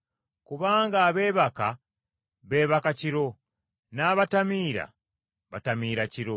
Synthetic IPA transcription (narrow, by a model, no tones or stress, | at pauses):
kuβaːŋɡaːβe̞ːβaka | βe̞ːβakaciɾo̞ | naːβatamiːɾa̰ | βatamiːɾaciɾo